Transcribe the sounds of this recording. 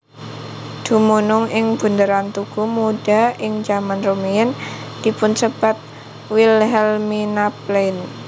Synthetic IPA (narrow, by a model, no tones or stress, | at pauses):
d̪̥ṳmunʊŋɪŋb̥ṳnd̪əɾant̪uɡ̥umuɖaɪŋd͡ʒamanromejənd̪̥i̤pʊnsəb̥a̤t̪̚ | wilɦɛlminaplejn